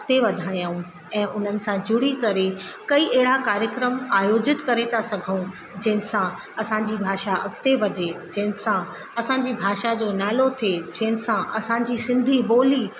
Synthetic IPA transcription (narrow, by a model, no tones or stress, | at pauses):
kt̪eʋɐd̪ʱaːjaːũ | ɛ̃ːʔʊn̤ənɪ̆sãd͡ʑʱʊɽikɐɾekɐiʔeɦɪɽakaːɾjəkɾəmaːjoːd͡ʑɪt̪kɐɾet̪ʰasɐɡʱəũ | d͡ʑɐ̃ɦɪ̃nɪ̆sã | ɐsãɲd͡ʑibʱaːʃaʔɐkʰt̪eʋɐd̪ʱed͡ʑɐ̃ɦɪ̃nɪsã | ɐsãɲd͡ʑibʱaːʃad͡ʑoːnaːlot̪ʰed͡ʑɐ̃ɦɪ̃nɪ̆sãʔɐsãːɲd͡ʑisɪ̃nd̪ʱiboːli